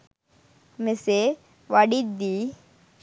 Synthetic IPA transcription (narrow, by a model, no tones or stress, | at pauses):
mɪse | ʋaɽid̪i